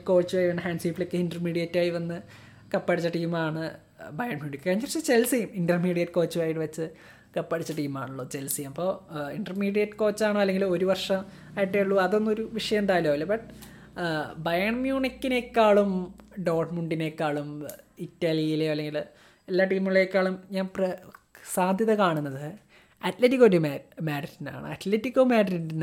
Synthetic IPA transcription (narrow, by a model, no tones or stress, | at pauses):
ko̞ːt͡ɕːuaːjiʋɐnːɨɦaːɳɖʂiːpːilekːɨhindɐrmiːɽijɐtːaːjiʋɐnːɨ | kɐpːɐɽit͡ɕːɐʈiːmaːɳɨ | bɐjɐɳmjuːnikʲːɨkɐɲːrɐt͡ɕːɨt͡ɕelsiminɖɐrmiːɽijɐtːɨko̞ːt͡ɕːuaːjiʈːɨʋɐt͡ɕːɨ | kɐpːɐɽit͡ɕːɐʈiːmaːɳuɭːɐt͡ɕe̞lsiɐmɐpːo̞ːiɳɖɐrmiːɽijɐtːɨko̞ːt͡ɕːaːɳɨɐlːeŋɡilo̞ɾuʋɐrʂɐm | aːjiʈːeuɭːuɐðonːoɾuʋiʂɐjɐmuɳɖaːjiloːilːɐbɐʈː | bɐjɐɳmjuːnikːine̞kːaːɭumɖo̞ːrʈmuɳɖine̞kːaːɭumitːɐliilejoɐlːe̞ŋɡil | elːaːʈiːmːuɐɭeekːaːɭumɲaːnprɐsaːd̪ʱjɐðɐkaːɳunːɐðɨ | ɐtletːikːoɾummaːɾɐɾina̰ːɳɨ̰ɐt̪letːikːomaːɖɐɾinn